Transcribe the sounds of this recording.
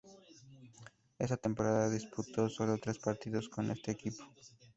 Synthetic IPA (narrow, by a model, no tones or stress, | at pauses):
esat̪empoɾaððaðisput̪osoβɾeot̪ɾespaɾt̪iðosko̞nest̪eːkipo̥